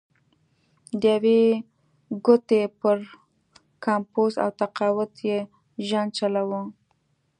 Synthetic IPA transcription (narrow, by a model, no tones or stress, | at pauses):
d̪əjawe | ɡʊt̪epəɾ | kʰɑmposa̰wt̪aqɑwʊt̪je | ʒan̚t͡ʃalawə